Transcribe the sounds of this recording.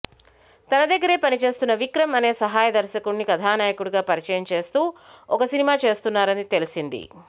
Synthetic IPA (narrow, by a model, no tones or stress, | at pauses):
t̪ɐnɐd̪ɐɡːɐɾe̞ːpɐnit͡ʃe̞ːst̪unːɐʋikɾɐmɐne̞ːsɐɦaːjɐd̪ɐɾʃɐkuɽnikɐd̪ʱʰaːnaːjɐkuɽuɡaːpɐɾit͡ʃɐjɐmt͡ʃe̞ːst̪uːɔkɐsinimaːt͡ʃe̞ːst̪unːaːɾɐnit̪elisind̪ḭ